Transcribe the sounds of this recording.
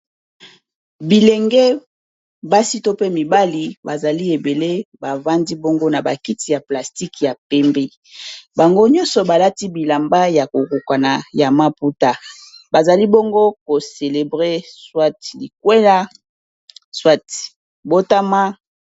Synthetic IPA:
bi˨le˨ŋɡɛ˦ | ba˦si˦to˦pe˦mi˨ba˦li˨ba˨za˨li˦e˨be˨le˦ba˨va˦ndi˦bo˦ŋɡo˦na˨ba̰˨ki˦ti˨ja˨pla˨sti˦kja˨pɛ˦mbe˦ | ba˨ŋɡo˦ɲɔ̃˦sɔ˨ba˨la˦ti˦bi˨la˨mba˦ja˨ko˨ku˨kwa˨na˨ja˨ma˦pu˦ta˦ba˨za˨li˦bo˦ŋɡo˦ko˨se˨le˨bʁe˦swa˦tli˨k̚we˦la˦ | swa˦t | bo˦ta˦ma˦

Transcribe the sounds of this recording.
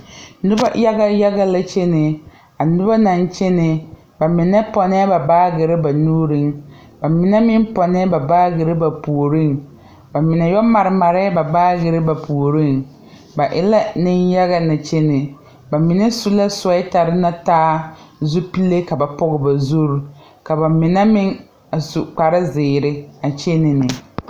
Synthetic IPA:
nʊ˦ba̰˦ja˦ɡa˦ja˦ɡa˦la˦t͡ʃɛ˦nɪ˨ | a˨nʊ˦ba˦na˨n˦t͡ʃɛ˦nɪ˨ | ba˨mɪ˨nɛ˦pɔ˨nɛ˦ba˨baː˦ɡɪ˨ɾɪ˦ba˨nuː˦ɾɪ˦ŋ | ba˨mɪ˨nɛ˦mɪ˦m˦pɔ˨nɛ˦ba˨baː˦ɡɪ˨ɾɪ˦ba˨pu˨ɾɪ˦˨ŋ | ba˨mɪ˨nɛ˨jɔ˦ma˨ɾɪ˨ma˨ɾɛ˦ba˨baː˦ɡɪ˨ɾɪ˦ba˨pu˨o˨ɾɪ˦˨ŋ | ba˨ʔɪ˦la˦nɪ˦nja˦ɣa˦na˨t͡ʃe˦nɪ˨ | ba˨mɪ˨nɛ˦su˦la˦sɔ˨˦ɪ˦ta˨ɾɪ˦na˦taː˦ | zu˦pi˦le˦ka˨ba˨pɔ˦ɣɪ˨ba˨zu˦ɾu˨ | ka˨ba˨mɪ˨nɛ˦mɪ˦ŋ | a˨su˨k͡pa˨ɾɪ˦zɪː˨ɾɪ˦a˨t͡ʃe˦nɪ˨nɪ˨

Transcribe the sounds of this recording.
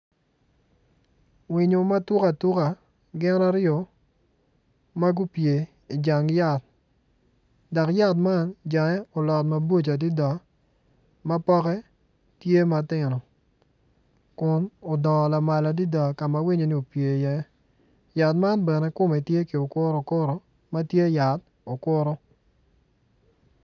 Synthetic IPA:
wi˨ɲo˨ma˦tu˦ka˨tu˦ka˨ | ɡɪ˦na˦ɾɪɔ˨ | ma˦ɡu˦pje˨ | i˨d͡ʒa˨ŋja˦˨t̪̚ | dɔ˨kja˦t̬̚ma˦nd͡ʒa˨ŋɛ˦ɔ˨lɔ˨tma˨bo˦˨t͡ʃa˨di˦da˨ | ma˦pɔ˦kɛ˦ | tje˦ma˨tɪ˨nɔ˨ | kʊ˨no˨dɔ˨la˨ma˨la˨di˦da˨ka˨ma˦wi˦ɲo˨ni˦o˨pje˨jɛ˦ | ja˨t̬ma˦nbɛ˨nɛ˦kʊ˦mɛ˨tje˦ki˨o˨kʊ˦ɾo˨kʊ˦ɾo˦ | ma˦tje˦ja˨t̚ | o˨kʊ˦ɾo˦

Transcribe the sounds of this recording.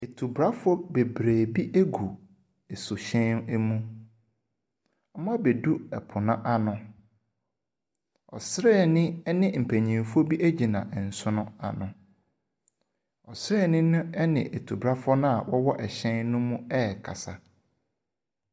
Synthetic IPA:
e˨tʰu˨bɾa˦fʊ˦ɔ˦be˨bɾeː˨bi˦ʔæ˦ɡu˨ | e˨sʊ˨ɕɛ̃˦nɛ˦mũ˦ | ɔ˦mã˦be˨du˦ɛ˨pʰʊ˨nã˦ʔa˦nʊ̃˦ | ɔ̰˨sɾɛː˦˨nɪ̃˦ɛ˦nɪ̃˦m̩˨pʰæ̃˨ɲĩ˨fu˦o˦bi˦ʔæ˦d͡ʑi˨nã̰˨ɛ˨n̩˨sʊ̃˦nʊ̃˦a̰˨nʊ̃˨ | ɔ˨sɾɛ˦˨nɪ̃˦nʊ̃˦ɛ˦nɪ̰̃˨ʔe˨tʰu˨bɾa˦fʊ˦ɔ˦nʊ̃˦a˨wɔ˦wɔ˦ʔɛ˨ɕɛ̃˦nnʊ̃˦mũ˦ɛ˦˨kʰa̰˨sa˨

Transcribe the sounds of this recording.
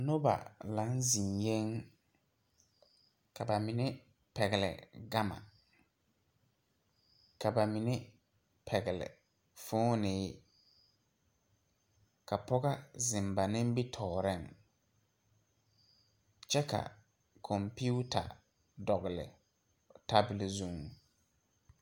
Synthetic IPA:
no˦ba̰˨la˨˦nzi˨ŋje˦ŋ | ka˨ba˨mɪ˨ne˦ | pɛ˨ɡɪ˨lɪ̰˨ɡa˦ma̰˨ | ka˨ba˨mi˨ne˦ | pʰɛ˨ɡɪ˨lɪ̰˨ | fʊː˦nɪː˦ | ka˨pɔ˦ɣa˦zɪ˨mba˨nɪ˦m˦bi˦tʰɔː˨ɾɛ˦˨ŋ | t͡ʃɛ˦ka̰˨ | kʰɔ˨mpi˦u˦tʰa̰˨ | dɔ˨ɣɪ˨lɪ̰˨ | ta˦bɪ˨lzu˨ŋ

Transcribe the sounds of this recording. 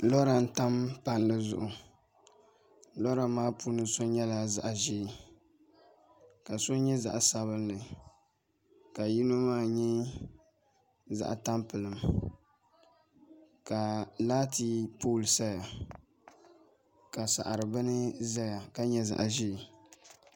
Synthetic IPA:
lɔ˦ɾa˨n̩˦ta˦mpa˨nlɨ˦zʊ̰˨ʔʊ˨ | lɔ˦ɾa˨maː˦pu˦nɨ˨so˦ɲɛ˦la˨za̰˨ʔʒiː˦˨ | ka˨so˦ɲɛ˦za̰˨ʔsa˨βɨ˦nnɨ˨ | ka˨ji˦no˦maː˦˨ɲɛ˦ | za̰˨ʔa̰˨ta˦mpɨ˨lɨ˨m | ka˨laː˦ti˦pu˦˨lsa˦ja˨ | ka˨sa̰˨ʔa˨ɾɨ˨bɨ˦nɨ˦za˦ja˨ka˦ɲɛ˦za̰˨ʔʒi˦˨

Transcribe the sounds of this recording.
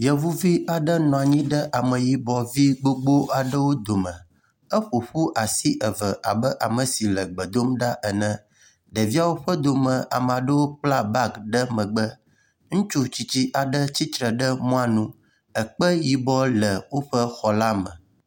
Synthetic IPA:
jɛ˨vu˦vi˦ʔa˨ɖə˦nɔ̃˨a˨ɲĩ˦ɖə˦ʔa˨mə̃˨ji˨bɔ˨vi˦ɡ͡bo˦ɡ͡bo˦ʔa˨ɖə˦wo˦d̪o˨mə̃˨ | ə˦ɸo˨ɸu˦ʔa˨si˦ʔə˨və˨ʔa˨bə˦ʔa˨mə˨si˨lə˨ɡ͡bə˨d̪o˦mɖa˦ʔə˨nə̃˦ | ɖə˨vi˦a˦wo˦ɸə˦d̪o˨mə̃˨a̰˨mə˨a˨ɖə˦wo˦k͡pla˦ba˦kɖə˦mə̃˨ɡ͡bə˦ | ŋũ˦t͡ʃu˦t͡ɕi˦t͡ɕi˦ʔa˨ɖə˦t͡ɕi˦t̪ɾə˨ɖə˦mɔ̃˦a˨nũ˦ | ə˨k͡pə˦ji˨bɔ˦lə˨wo˦ɸə˦xɔ˨la˦mə̰̃˨

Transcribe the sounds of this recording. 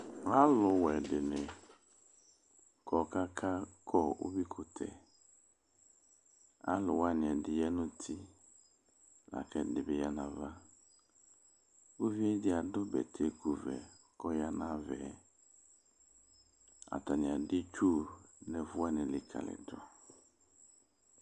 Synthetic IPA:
wa˦lʊ˨wɛ˨dɪ˨nɪ˨ | kʰɔ˨ka˦kʰa˦kʰɔ˦˨o̰˦bi˦kʰʊ˦tʰɛ̰˨ | a̰˦lʊ˨wa˦nɪ̃˨ɛ˨dɪ˨jɛ˦nʊ̃˦tʰɪ˦ | la̰˨kɛ˦dɪ˨bɪ˨ja˦nã˨va˦ | o˦vi˦ɛ˦dɪ˦a˨dʊ˦bɛ̰˨tʰe˦ku˨vɛ̰˨ | kɔ˦ja˦nã˦vɛ̰˨˦ | a̰˨ta˨nɪ̃˨a˨dɪ˦t͡ʃu˦˨nɛ˨vʊ˦a˦nɪ̃˨lɪ˨kʰa̰˨lɪ̰˨dɾɔ̰˨

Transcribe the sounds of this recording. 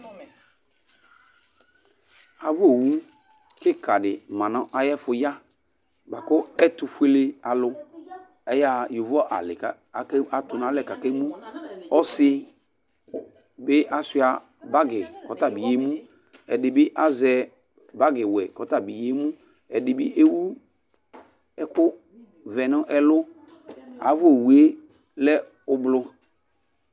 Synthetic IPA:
a˨vo˦˨wu˦ | kɪ˦ka˨dɪ˨mã˨nɔ˦ʔa˨jɛ˦fʊ˨ja˦ | ba˨kʊ˦ɛ˦tʊ˨fʷe˦le˦a˨lʊ˦ | ɛ˦ja˦jo˨vɔ˦ʔa̰˨lɪ̰˨ka˨ka˨tʊ˨na˨˦lɛ˨ka˨ke˦mũ˦ɔ˦sɪ˦ | bɪ˦ʔa˨sɪ˦a˨ | ba˦ɡɪ˨kɔ˨ta˨bi˨je˨˦mũ˦ | ɛ˨dɪ˨bɪ˦ʔa˦zɛ˦ | ba˦ɡɪ˨wɛ˨kɔ˨ta˦˨bi˨je˦mu˦ | ɛ˨dɪ˨bɪ̰˦ʔe˦wu˦ | ɛ˦kʊ˦ | vɛ˨nɔ˦ʔɛ˦lʊ˦ | a̰˨˦vʊ˦o˨we˦ | lɛ˦ | ʊ˦blʊ˦

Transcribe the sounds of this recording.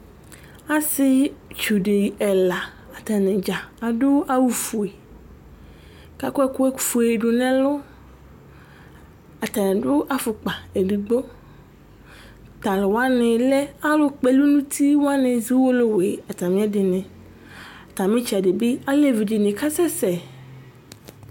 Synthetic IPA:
a˦sɪ˦t͡ʃu˨ɖe˨ɛ˨la˨ | a˨t̪a˨nɛ̃˨d͡ʒa˨a˨dʊ˦a˦wu˦fu˨e˨ | ka˨kɔ˦ɛ˦kʊ˦e˦˨fu˨e˨ɖʊ˨nɛ̃˦lʊ˦ | a˨t̪a˨nɛ̃˨dʊ˦ʔa˨fʊ˨k͡pa˨e˨di˨ɡ͡bo˦ | t̪a˨lɪ˨wa˦nɪ̃˨lɛ˦a˦lʊ˦k͡pe˨lu˦nũ˦t̪ʰi˦wo˦a˦nɪ̃˨zi˦wo˦lo˦we˨a˨t̪a˨mĩ˦a˦dɪ˨nɛ̃˨ | a˨t̪ã˨mɪ̃˦t͡ʃi˨a˨de˨bɪ˦a˦le˦vi˨d͡ʒi˨nɪ̃˨ka˦sɛ˦sɛ˨

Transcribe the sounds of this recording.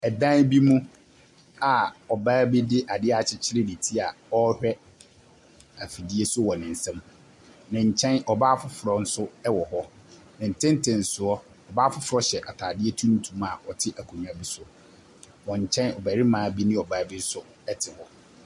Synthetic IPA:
ɛ˨dã˦nbi˦mũ˦ | a˨ɔ˨baː˦bi˦dɪ˦ʔa˨dɪ˦a˨t͡ɕʰɪ˦t͡ɕʰɪ˦ɾɪ˦di˨tʰi˦a˨ɔ˦hᶣɛ˦ | a˨fi˨di˦e˦sʊ˦wɔ˨nɪ̃˨n̩˨sã˦m | nɪ̃˨ɲ̩˨t͡ɕʰɛ̃˦nɔ˨baː˦fʊ˦fʊ˨ɾɔ˨n̩˦sʊ˦ɛ˦wɔ˨hɔ˦ | nɪ̃˨n̩˨tʰɪ̃˦n˦tʰɪ̃˨n̩˨sʊ˨˦ɔ˦ | ɔ˨baː˦fʊ˦fʊ˨ɾɔ˦ɕɛ˨ʔa˨tʰaː˨dɪ˦ɛ˦tʰũ˦n̩˦tʰũ˨˦ma̰˨ɔ˨tʰɪ˦ʔa˨kʰũ˨˦a˨bi˦sʊ˦ | wɔ̃˨ɲ̩˨t͡ɕʰɛ̃˦nɔ˨bæ˨ɾɪ˦mãː˨˦bi˦nĩ˦˨ɔ˨baː˦bi˦sʊ˦ | ɛ˦tʰɪ˨hɔ˨

